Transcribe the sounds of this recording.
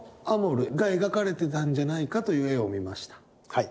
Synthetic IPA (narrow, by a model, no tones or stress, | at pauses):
amo̞ɾɯ̟ɡae̞ɡakaɾe̞t̪e̞t̪ãɲ̟d͡ʑanaikat̪o̞jɯ̟eomʲimaɕi̥t̪ḁ | h